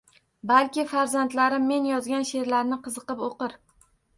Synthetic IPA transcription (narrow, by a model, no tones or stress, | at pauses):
balkʲɪfaɾzant̪laɾɪmːe̞njɒzɡʲanʃe̞ɾlaɾnɪqʰɨzɨqɨpoqɨɾ